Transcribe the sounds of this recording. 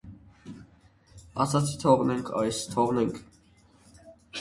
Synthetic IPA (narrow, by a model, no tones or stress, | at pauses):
ɑt͡sʰɑt͡sʰi̥t̪ʰɔʁnɛŋkʰɑjst̪ʰɔʁnɛŋkʰ